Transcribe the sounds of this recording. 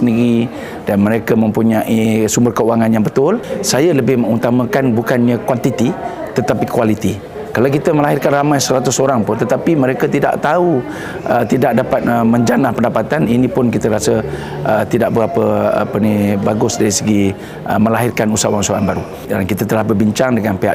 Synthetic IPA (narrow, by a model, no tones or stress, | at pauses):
əniɡi | danməɾekəmə̃mpuɲaʔisumbərkəuaŋanjaŋbət̪ʊlsajələbɪhməŋut̪amãkanbukanɲə̃kwant̪it̪i | t̪ət̪apikualit̪i | kalawkit̪əməlaɦɪrkanramajsəɾat̪ʊsoɾaŋpʊnt̪ət̪apimə̃ɾekət̪ida̰ʔt̪au | ʔət̪idaʔ̚dapat̪̚əmə̃ɲd͡ʒanahpəndapat̪aninĩpʊnkit̪əɾasə | ʔət̪idaʔ̚bəapəa̰pənibaɡʊsdaɾisəɡi | ʔə̰mə̃laɦɪrkanusauwaŋusaanbaɾu | dankit̪at̪əlahbərbiɲt͡ʃaŋdəŋanpeɦa̰ʔ